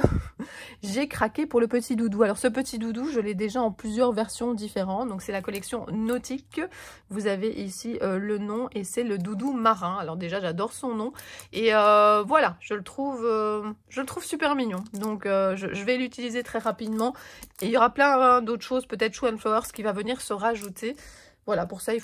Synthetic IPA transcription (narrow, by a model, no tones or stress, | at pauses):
ʒekχakʲepuʁləpət̪ʰid̪ud̪ualɔʁsəp̬ət̪id̪ud̪uʒəlɛd̪eʒaɑ̃plyzjœʁvɛʁsjɔ̃d̪ifeʁɑ̃td̪ɔ̃ksɛlakɔlɛksjɔ̃nɔt̪ikː | vuzaveʔisiølənɔ̃esɛləd̪ud̪umaʁɛ̃alɔʁd̪eʒaʒad̪ɔʁsɔ̃nɔ̃eøvwalaʒ̥ələt̪χuvøʒ̥ələt̪χuv̥sypɛʁminjɔ̃d̪ɔ̃køʒəʒəvɛlyt̪ilizet̪χɛʁapid̪mɑ̃eiljɔʁaplɛ̃d̪ot̪χəʃozpøt̪ɛt̪χʃuɛnflɔwɛʁskʲivavəniʁsəʁaʒut̪ʰe | vwalapuʁsai